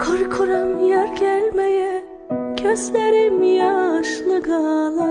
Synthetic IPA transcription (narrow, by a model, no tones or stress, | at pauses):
kʰoɾkʰoɾamjæɾɟælʲmejɛ | cʰøsleɾɛmijaʃlˠɯɡalˠɯ